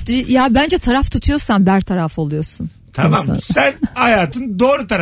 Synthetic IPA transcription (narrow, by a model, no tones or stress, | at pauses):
d̪ijabænd͡ʒɛt̪ʰaɾaft̪ʰut̪ʰujo̞sanbæɾt̪ʰaɾafo̞lˠujo̞ɾsun | t̪ʰamama̰ssænhajaːt̪ʰɯnd̪oːɾut̪ʰaɾ